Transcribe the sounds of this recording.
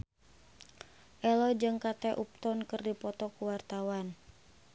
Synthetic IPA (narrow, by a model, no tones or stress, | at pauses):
ʔɛlɔd͡ʒɨŋkat̪ɛʔup̚t̪ɔnkɨrdipɔt̪ɔkuwart̪awan